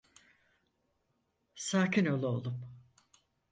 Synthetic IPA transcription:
saːcʰino̞lˠuo̞lˠum

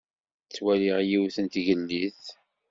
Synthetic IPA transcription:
t͡sːwæliʁjiwθənt̪ʝəlːiθ

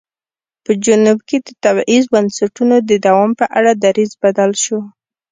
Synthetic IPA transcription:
pəd͡ʒʊnubked̪ət̪abʔizbənsaʈunod̪əd̪awɑmpəʔaɽad̪aɾizbad̪alʃo

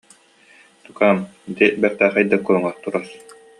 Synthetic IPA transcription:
t̪ukaːmd̪ibɛɾt̪æːχɛjd̪akuɾuŋaɾt̪uɾaɾ

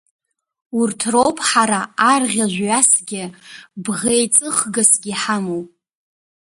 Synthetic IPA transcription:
urtʰro̞wpʼħaɾaːrʁʲaʒᶣʷɥasɡʲɪbʁejt͡sʼɨχɡasɡʲiħamowpʼ

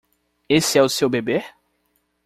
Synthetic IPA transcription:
esɪɛʊsewbebe

